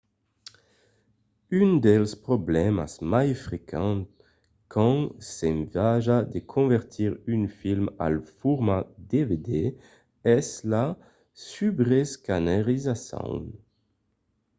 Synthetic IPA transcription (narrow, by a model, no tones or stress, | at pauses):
ynd̪ɛlspʁɔblɛma̰smajfʁekʰɑ̃t̪ | kʰɑ̃sɛ̃mvaʒad̪ekʰɔ̃vɛʁt̪ʰiʁynfilma̰lfuʁmad̪eved̪e | ɛsla | sybʁeskanaʁizasɔ̰̃w